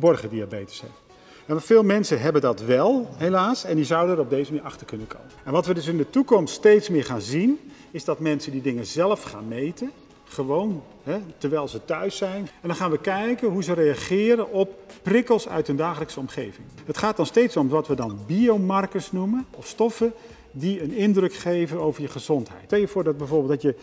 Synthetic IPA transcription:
fəbɔrχədiabejtə̥sɛ̰ | ɛfɪːlˠmɛnsənɦɛbəndɑtʋɛlˠɦelaːsɛndizawdənɾɔb̚dejzəmiːɾɑχtərkɵnənkʰo̰wməɛnʋɑtʋədɵs̬ɪndətukɔmststejtsmɪːɹχaːnzin | ɪzdɑtmɛnsəndidɪŋənzɛlˠəfχa̰ːnmejtə | χəʋown | ɦɛtəɹʋɛjlˠzətœɥsɛjnɛndɑnχaːnʋəkɛjkənɦuzərejaχɪːɾənɔp̚prɪkəlˠsœ̰ɥtɦəndaːχələksəɔmχejvɪŋɦətχaːt̚dɑnstejtsomʋɑtʋədɑnbiowmɑrkəsnumənɔfstɔfə | diənɪndrɵkχejvənowvəɹjəχəzɔntɦɛ̰jtɛlˠjəvʊːɹdɑd̚bɛjvʊːɹbɪlˠdɑtjə

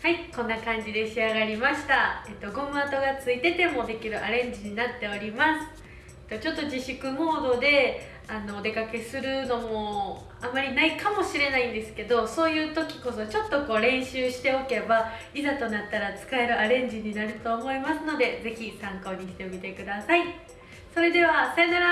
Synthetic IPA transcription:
haikõ̞nːakãɲ̟d͡ʑid̪e̞ɕiaɡaɾʲimaɕi̥t̪aet̪ːo̞ɡo̞mat̪o̞ɡat͡sɨit̪e̞t̪e̞mo̞d̪e̞kʲiɾɯ̟ʔaɾẽ̞ɲ̟d͡ʑiɲ̟inat̪ːe̞o̞ɾʲimasɨ̥ | t̪ːo̞t͡ɕo̞t̪ːo̞d͡ʑiɕikɯ̟mo̞ːd̪o̞d̪e̞ | anoːd̪e̞kake̞sɨɾɯ̟no̞mo̞ | amːaɾʲinaikamo̞ɕiɾe̞naĩnd̪e̞sɨ̥ke̞d̪o̞so̞ːjɯ̟ːt̪o̞kʲi̥ko̞so̞t͡ɕo̞t̪ːo̞ko̞ːɾẽ̞ɰ̃ɕɨːɕi̥t̪e̞o̞ke̞ba | izat̪o̞nat̪ːaɾat͡sɨ̥kae̞ɾɯ̟ʔaɾẽ̞ɲ̟d͡ʑiɲ̟inaɾɯ̟t̪o̞ːmo̞imasɨno̞d̪e̞ze̞çisãŋko̞ːɲ̟iɕi̥t̪e̞mʲit̪e̞kɯ̟d̪asai | so̞ɾe̞d̪e̞βasaenaɾa

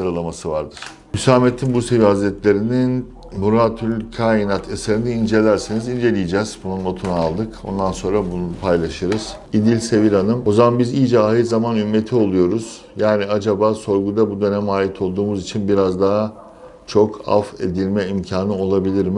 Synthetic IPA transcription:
aɾɯlˠamasɯvaɾd̪ɯɾ̥ | mysaːmet̪ʰːinbuse̞vihazɾɛt̪lʲe̞ɾinin | buɾat̪ʰylʲkʰaːinat̪ʰeseɾiniːnd͡ʒe̞lʲæɾsinizind͡ʒe̞lʲijid͡ʒɛz̥bununːo̞t̪ʰunaalˠd̪ɯko̞̰nd̪anso̞nɾabunpʰajlˠaʃɯɾɯz̥ | id̪ilʲse̞viɾanɯmo̞zamanbizijd͡ʒaaːɦɯzamanymːe̞t̪ʰio̞lˠujo̞ɾuz̥ | jaːniad͡ʒabaːso̞ɾɡud̪abud̪ø̞nɛmaːjit̪ʰo̞lˠd̪uːmuzit͡ʃʰinbiɾazd̪aɦa | t͡ʃʰo̞kʰa̰fe̞̰d̪ilʲmɛimcʰaːnɯo̞lˠabilʲiɾm

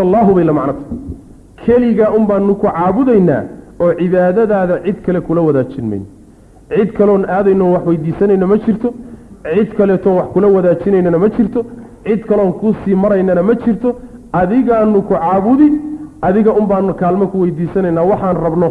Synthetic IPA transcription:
lːɑːɦʊβɛjlɐmɑʕnɐt̪ʰɐ | kʰɛlɪɣɐʔʊmbaːnːʊkʰʊʕɑːβʊðɛjna̰ːɔːʕɪβaːðɐðaːðɐʕɪd̪kʰɐlɛkʰʊlɐwɐðaːt͡ʃɪnmɛ̰jnɔ | ʕɪd̪kʰɐlɔːnaːðɛjnɔːwɑħwɛjd̪iːsɐnɛjnɐmɐt͡ʃɪrt̪ʰɔʕɪd̪kʰɐlɛːt̪ʰɔːwɑħkʰʊlɐwɐðaːt͡ʃɪnɛjnɐnɐmɐt͡ʃɪrt̪ʰɔ | ʕɪd̪kʰɐlɔːŋkʰʊsiːmɐɾɛjnɐnɐmɐt͡ʃɪrt̪ʰɔʔɐðɪɣaːnːʊkʰʊʕɑːβʊðɪɐðɪɣɐʔʊmbaːnːʊkʰaːlmɐkʰʊwɛjd̪iːsɐnɛjnːaːwɑħɑːnrɐbnɔ

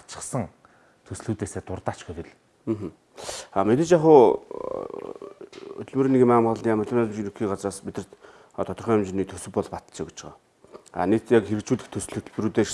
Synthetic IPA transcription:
t͡ɕə̥̆χsə̆ŋ | t̪ʰɵsɮuːt̪eːseːt̪ʊrt̪aːt͡ɕɡɵt̪ĕɮ̩ː | ɦə | amet̪ɘ̆t͡ɕaχʊː | t̪̆ɮmɵːɾiːneɣimamχɮijaːmɵtɮɘ̆nmt͡ɕinɵxiːɢat͡sraːsmit̪ɘ̥̆t̪ | ɔt̪ʰɔt̪ɞ̆rχĭːŋjʊmt͡ɕɪniːt̪ʰɵsɵ̆pːɔɮpat̪t͡ɕeːku̥t͡ɕ̆χɔ̰ː | a̰nek̚t̪jakxeɾɘ̆k̚t͡ɕuːɮɘ̆xt̪ʰɵsɮut̪ɮpɾuːt̪eː

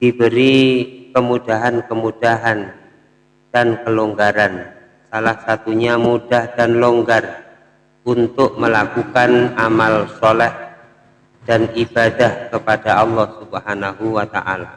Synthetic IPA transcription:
d̥ibəɾikəmudaɦankəmudaɦan | d̥ankəloŋɡaɾan | salahsat̪uɲamudahd̥anloŋɡar | unt̪ʊk̚məlakukanamalsolɛh | d̥anʔibadahkəpadaʔɑlːɑhsubəhanaɦuwat̪a̰ʔa̰la̰

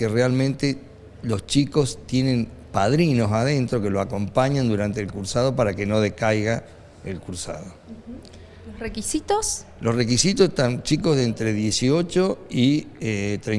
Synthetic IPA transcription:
kerealmẽnt̪e | lo̞st͡ʃiko̞st̪je̞nẽ̞n | paðɾino̞saðe̞nt̪ɾo̞ke̞loako̞mpaɲand̪uɾant̪e̞ːlkuɾsað̞o̞paɾake̞no̞ð̞ekajɣa | elkuɾsa̰ðo | lorekisit̪oslosrekisit̪oseht̪ant͡ʃikozðent̪ɾe̞ðje̞sio̞t͡ʃo̞iet̪ɾe

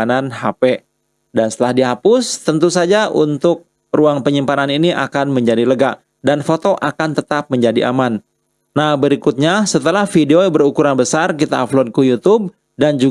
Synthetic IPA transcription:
ananhape | danst̪əlahdiɦapʊst̪ənt̪usad͡ʒaʔṵnt̪ʊk̚ | ruaŋpəɲimpananiniʔa̰kanməɲd͡ʒadiləɡaʔ | danfot̪oʔakant̪ət̪ap̚məɲd͡ʒadiʔa̰manː | ahbəɾikut̪̚ɲasət̪əlahfideobəɾukuɾanbəsarkit̪aːflod̪̚kujut̪ʊb̚ | dand͡ʒu

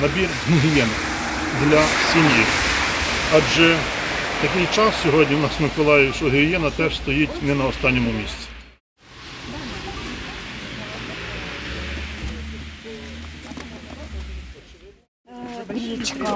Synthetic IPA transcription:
nɐbʲirɦiɦjɛn | d̪lʲɐsʲimʲji | ɑd͡ʒɛt̪ɐkɪjt͡ʃɑsːʲɔɦɔdʲnʲiwnɑsmɪkɔlˠɑjɪwʃɔɦiɾjɛnɐt̪ɛʒst̪ɔjitʲnɛnɐɔst̪ɑnʲːɔmʊmʲisʲt͡sʲi̥

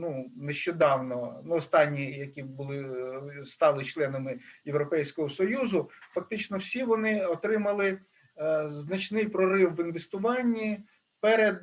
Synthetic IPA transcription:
nuneʃt͡ʃɔd̪ɑwnɔnuɔst̪ɑnʲːijɐkʲibʊlˠɪst̪ɑlˠɪt͡ʃlˠɛnɐmɪjewɾɔpɛjsʲkɔɦɔsɔjuzʊfɐk̚t̪ɪt͡ʃnɔwsʲiʋɔnɪɔt̪ɾɪmɐlˠɪ | znɐt͡ʃnɪjpɾɔɾɪwːɪnʋest̪ʊʋɑnʲːi | pɛɾed̪

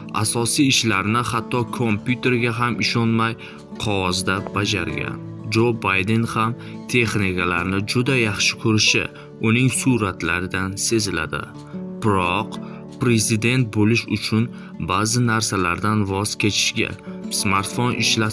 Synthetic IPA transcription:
a̰sɒsijɪʃlaɾnɪhat̪ʰːɒkʰompʰjut̪ʰe̞ɾɡʲaɦamʔɪʃɒnmaj | qʰɒwɒzd̪abad͡ʒaɾɡʲa̰n | d͡ʒobajd̪e̞nham | t̪ʰe̞χnikalaɾnɪd͡ʒʊd̪ajɑχʃɪ̥kʰɵɾɪʃɪ̰ | ʊnɪŋsuɾat̪laɾɪd̪anse̞zɪla̰d̪ɪ̰ | b̥ɪɾɒq | pɾe̞zɪd̪e̞nt̪̚bolɪʃʊt͡ʃʰʊn | bazɪnaɾsalaɾd̪anvɒz̥kʲʰe̞t͡ʃʰɪ̥ʃɡʲa̰smaɾt̪fonɪʃla

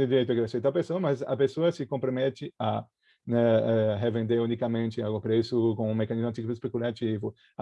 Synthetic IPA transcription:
ɪd̪iɾejt̪okɾasiɐt̪awpesoɐmɐzɐ̰pesoɐsɪkõmpɾomɛt̪ɪa | nɛɛɦevẽnd̪eɾũnikamẽnt͡ʃ̪ɪawɡũpɾesʊkõũmekãnizmat͡ʃ̪it͡ʃikʊɪspekulat͡ʃivʊ

